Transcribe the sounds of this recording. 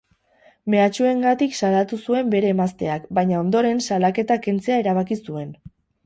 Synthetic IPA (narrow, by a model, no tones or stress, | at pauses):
me̞at͡ʃue̞ŋɡat̪iksalat̪usue̞mbe̞ɾe̞ːmast̪e̞akbajɲao̞nd̪o̞ɾe̞nsalake̞t̪ake̞nt͡se̞aeɾaβ̞akisue̞n